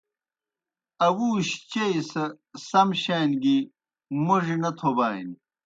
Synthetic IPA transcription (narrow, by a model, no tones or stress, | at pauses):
ɐwuːɕt͡ɕejsɐ | sɐmɕejnɡi | muʐinɐt̪ʰobaːin